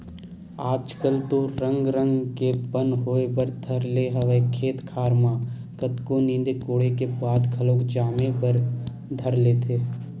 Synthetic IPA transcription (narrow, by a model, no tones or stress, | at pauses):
aːd͡ʒkəlt̪oɾə̃ŋɡɾə̃ŋɡkepənɦoːepəɾd̪ʱəɾleɦɐʋəekʰeːt̪kʰaːɾmaː | kət̪konĩːnd̪ekoːɽekebaːd̪kʰəloːkd͡ʒaːmepəɾ | d̪ʱəɾleːt̪ʰeː